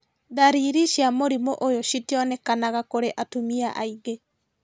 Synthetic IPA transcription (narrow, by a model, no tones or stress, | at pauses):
ðaɾiɾiʃjamoɾimoʔojoʃitiɔnɛkanaɣakoɾeʔatumiaʔa̰iɡe